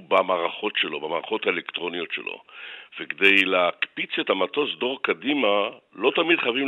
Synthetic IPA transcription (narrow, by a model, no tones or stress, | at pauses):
bamaːʁaχo̞tʃelo̞bamaːʁaχo̞taelekt̪ʁo̞nijo̞tʃelʔo̞̰vekd̪e̞jleakpit͡se̞thamatosd̪o̞ʁakadimalo̞t̪amidχajavim